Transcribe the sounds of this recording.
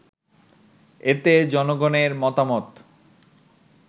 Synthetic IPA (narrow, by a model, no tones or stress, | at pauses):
et̪ed͡ʑɔnoɡoneɾmɔt̪amɔt̪